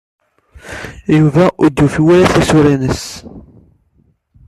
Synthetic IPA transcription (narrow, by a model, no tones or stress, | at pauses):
juvæʔʊd̪jufiwælæθæsuɾænəs